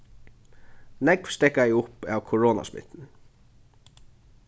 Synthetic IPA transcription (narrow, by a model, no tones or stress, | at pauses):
nɛkʋst̪ɛkajʊpæːwkʰɔɹɔːna̰smɪ̰t̪n